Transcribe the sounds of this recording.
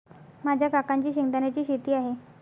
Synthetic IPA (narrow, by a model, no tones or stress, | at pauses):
mad͡ʑʱjakakaɲt͡ɕiːɕiŋt̪anjat͡ɕiːɕit̪iːaɦe